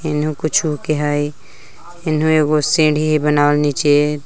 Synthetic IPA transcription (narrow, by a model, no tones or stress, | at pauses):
ɪnɦũkʊt͡ʃʰukeɦaːi | ɪnɦũeːkosẽːɖʱiɦibənaːlnit͡ʃe